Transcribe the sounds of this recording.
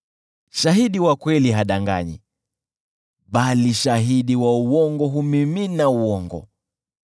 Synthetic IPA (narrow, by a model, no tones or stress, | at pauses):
ʃaɦiɗiwakwɛliɦaɗaŋɡa̰ɲḭ | ɓaliʃaɦiɗiwauwɔŋɡɔɦumiminauɔŋɡɔ̰